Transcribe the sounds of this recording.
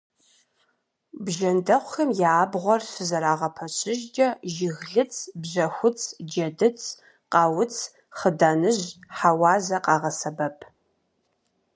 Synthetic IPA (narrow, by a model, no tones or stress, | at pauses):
bʒɐndɐχʷxɐmjaːbʁʷɔrsɨzɐɾaːʁɐpʰɐɕʰɪʒd͡ʒɐʒɪɣɮɨt͡sʰbʑɐxʷʊt͡sʰʼd͡ʒɐdɨt͡sʰ | qɑːwʊt͡sʰ | χədaːnɨʑħawɑːzɐqɑːʁɐsɐbɐpʰ